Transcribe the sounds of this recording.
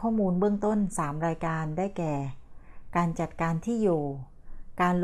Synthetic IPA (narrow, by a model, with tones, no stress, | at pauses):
ɔː˥˩muː˧nbɯ˥˩əŋt̪o˥˩nsaː˩˦mɾaː˧jkaː˧ndaː˥˩jkɛː˨˩kaː˧nt͡ɕa˨˩t̪̚kaː˧nt̪ʰiː˥˩joː˨˩ | kaː˧nl